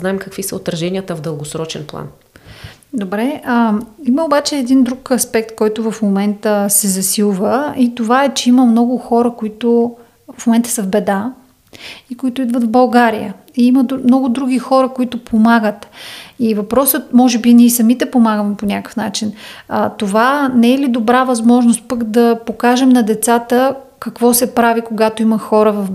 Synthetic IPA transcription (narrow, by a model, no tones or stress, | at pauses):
znaɛmkɐkvisəot̪ɾɐʒɛniət̪əvd̪əlˠɡosɾɔt͡ʃɛ̰nplˠa̰n | d̪obɾɛəiməobat͡ʃɛːd̪ind̪ɾukɐspɛk̚t̪kɔjt̪ʊvəfmomɛnt̪əsɛzɐsilˠvəit̪ovaɛt͡ʃɛiməmnɔɡʊxɔɾəkoit̪ʊ | fmomɛnt̪ə̥səvbɛd̪a | ikoit̪ʊid̪vət̪vbɐlˠɡaɾijə̰ | iiməmnɔɡʊd̪ɾuɡʲixɔɾəkoit̪ʊpʰomaɡət̪ivɐpɾɔsət̪mɔʒɛbinʲiɛsɐmit̪ɛpomaɡəmɛponʲakə̥fnat͡ʃinət̪ovanɛɛlid̪obɾavɐzmɔʒnost̪̚pəkd̪ɐpokaʒɛmnɐd̪ɛt̪sat̪ə | kɐkvɔsɛpɾavikoɡat̪oiməxɔɾəvɐf